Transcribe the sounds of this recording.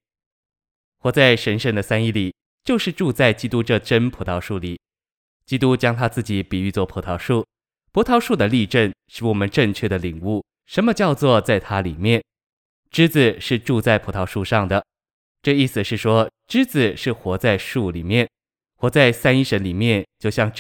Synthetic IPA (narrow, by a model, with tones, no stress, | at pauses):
xwɔ˧˥t͡sa˥˩ɪʂə˧˥nʂə˥nd̪ə˨sa˥ni˥˩li˨˩˦ | t͡ɕjo˥˧ʊʂɻ̩˥˧ʈ͡ʂu˥˧t͡sa˥˩ɪt͡ɕi˥t̪u˥ʈ͡ʂɤ˥˩ʈ͡ʂə˥npʰu˧˥t̪ʰɑ˧˥ʊʂu˥˩li˨˩˦ | t͡ɕi˥t̪u˥t͡ɕjɑ˥ŋt̪ʰa˥t͡sɹ̩˥˩t͡ɕi˨˩˦pi˨˩y˥˧t͡swɔ˥˩pʰu˧˥t̪ʰɑ˧˥ʊʂu˥˩ | pʰu˧˥t̪ʰɑ˧˥ʊʂu˥˩d̪ə˩li˥˧ʈ͡ʂə˥˩nʂɻ̩˥˩wɔ˨˩mə˦nʈ͡ʂə˥˧ŋt͡ɕʰɥɛ˥˩d̪ə˩li˨˩ŋu˥˩ | ʂə˧˥nmə˧t͡ɕjɑ˥˧ʊt͡swɔ˥˧t͡sa˥˩ɪt̪ʰa˥li˨˩mjɛ˥˩n | ʈ͡ʂɻ̩˥t͡sɹ̩˨˩ʂɻ̩˥˧ʈ͡ʂu˥˧t͡sa˥˩ɪpʰu˧˥t̪ʰɑ˧˥ʊʂu˥˧ʂɑ˥˩ŋd̪ə˩ | ʈ͡ʂɤ˥˧i˥˩sɹ̩˩ʂɻ̩˥˩ʂwɔ˥ʈ͡ʂɻ̩˥t͡sɹ̩˨˩ʂɻ̩˥˩xwɔ˧˥t͡sa˥˧ɪʂu˥˩li˨˩mjɛ˥˩n | xwɔ˧˥t͡sa˥˩ɪsa˥ni˥˧ʂə˧˥nli˨˩mjɛ˥˧nt͡ɕjo˥˧ʊɕjɑ˥˧ŋ